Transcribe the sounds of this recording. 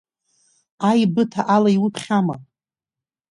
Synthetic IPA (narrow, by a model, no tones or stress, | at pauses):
ajbɨtʰaʔalaiwɨpʰχʲama̰